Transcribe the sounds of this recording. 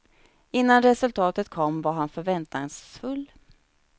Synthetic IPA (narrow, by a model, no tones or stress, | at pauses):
ɪnːanɾɛsɵlt̪ʰɑːt̪ət̪̚kʰɔmːvaɾɦanfœɾvɛnt̪ɪŋsfɵlː